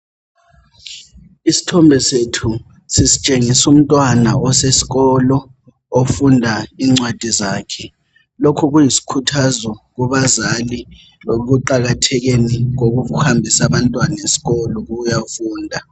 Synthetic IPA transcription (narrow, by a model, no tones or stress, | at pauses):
isi̥tʰɔmbʱɛsetʰu | sisi̥t͡ʃʼeŋisum̩tʼwanaɔsesi̥ɣɔlɔ | ofundʱaiŋ͡ǀwad̥ʱizaːkʰɛ | lokʰuɣujisi̥kʰutʰazɔɣuβazali | ɣ̬uǃaɣatʰɛɣeniŋoɣuuhambʱisaβantʼwanaesi̥ɣɔlɔɣujafuːndʱa